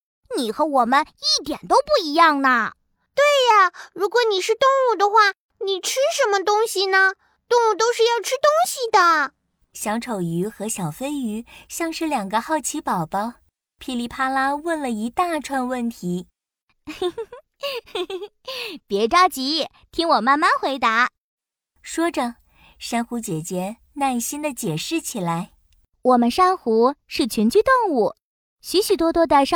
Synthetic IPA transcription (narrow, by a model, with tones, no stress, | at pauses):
ni˨˩xɤ˧˥wɔ˨˩mə˦ni˥˩t̪jɛ˨˩nt̪o˥ʊpu˥˩i˧˥jɑ˥˩ŋnə˩ | t̪we˥˩ɪɐ˩ɻu˧˥kwɔ˧˩˥ni˨˩ʂɻ̩˥˧t̪ʊ˥˧ŋu˥˩d̪ə˨xwa˥˩ | ni˨˩ʈ͡ʂʰɻ̩˥ʂə˧˥nmə˧t̪ʊ˥ŋɕi˨˩nə˩ | t̪ʊ˥˧ŋu˥˩t̪o˥ʊʂɻ̩˥˧jɑ˥˧ʊʈ͡ʂʰɻ̩˥t̪ʊ˥ŋɕi˨d̪ə˩ | ɕjɑ˧˥ŋʈ͡ʂʰo˨˩ʊy˧˥xɤ˧˥ɕjɑ˨˩ʊfe˥ɪy˧˥ɕjɑ˥˧ŋʂɻ̩˥˩ljɑ˨˩ŋɡə˧˦xɑ˥˩ʊt͡ɕʰi˧˥pɑ˨˩ʊpɑ˥ʊ | pʰi˥li˧˥˩pʰa˥la˥wə˥˩nlə˩i˧˥t̪a˥˩ʈ͡ʂʰwa˥˧nwə˥˩nt̪ʰi˧˥ | pjɛ˧˥ʈ͡ʂɑ˥ʊt͡ɕi˧˥ | t̪ʰi˥ŋwɔ˨˩ma˥˧nma˥˧nxwe˧˥ɪt̪a˧˥ | ʂwɔ˥ʈ͡ʂə˧ | ʂa˥nxu˧˥t͡ɕjɛ˨˩t͡ɕjɛ˥ | na˥˩nɕi˥nd̪ə˨t͡ɕjɛ˨˩ʂɻ̩˥˩t͡ɕʰi˨˩la˧˥ɪ | wɔ˨˩mə˦nʂa˥ŋxu˧˥ʂɻ̩˥˩t͡ɕʰy˧˥nt͡ɕy˥t̪ʊ˥˧ŋu˥˩ | ɕy˧˥ɕy˨˩t̪wɔ˥t̪wɔ˥d̪ə˥˧˩ʂ